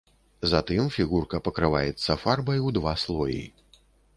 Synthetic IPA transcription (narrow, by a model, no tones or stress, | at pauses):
zat̪ɨmfʲiɣurkɐpɐkɾɨvajɛt̪sːɐfarbɐjuwd̪vaslˠɔjḭ